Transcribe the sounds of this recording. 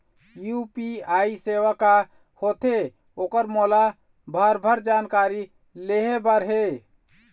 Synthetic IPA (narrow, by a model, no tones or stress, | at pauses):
jupiaiseʋaka | hot̪e | okəɾmola | bʱəɾbʱəɾd͡ʒankaɾi | leɦebəɾɦe